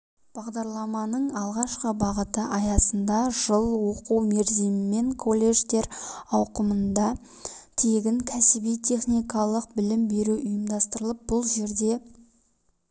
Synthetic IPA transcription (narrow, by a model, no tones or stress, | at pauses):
b̥ɑʁd̪ɑɾlˠɑmɑnəɴɑlˠʁɑʃqəbɑʁət̪əʔɑjɑsənd̪ɑʒəlˠwo̞quwme̞ɾd̪emɪme̞ŋkʰo̞lʲˠːe̞ʒt̪e̞ɾɑwqəmənd̪ɑ | t̪ʰe̞ɡʲɪŋkʲʰæsɪbijt̪ʲʰe̞χnijkɑlˠəq̚bɪlɪmbe̞ɾuʔʊjəmd̪ɑst̪əɾəlˠəp̚b̥ʊlˠʒe̞ɾd̪e̞